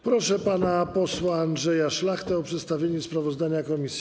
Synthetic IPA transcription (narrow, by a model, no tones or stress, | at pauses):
pɾɔʂɛpanapɔswaːnd̪ʐɛjaʂlaxt̪ɛɔpʂɛt̪st̪avʲjeɲɛspɾavɔzd̪aɲakɔmʲisʲ